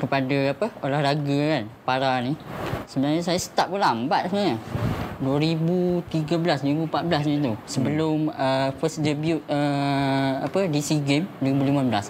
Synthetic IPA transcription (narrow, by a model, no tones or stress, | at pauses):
kəpadəapəolahɾaɡəkanpaɾanĩsəbənaɲəsajasə̥t̪ap̚bəlambat̪̚səmaɲəduəɾibut̪iɡəbəlasduɾibupat̪̚bəlasɲə̃t̪̬usəbəlʊməfəsdəbjut̚ə | apədisiɡemduɾibulimabəlas